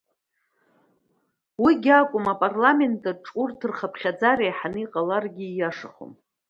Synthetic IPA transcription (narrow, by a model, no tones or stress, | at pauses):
wiɡʲakʷʼʊmapʼarlame̞ntʼaʈ͡ʂʼurtʰɨrχapʰχʲad͡zaɾejħanɨiqʼalarɡʲijaʂaχo̰m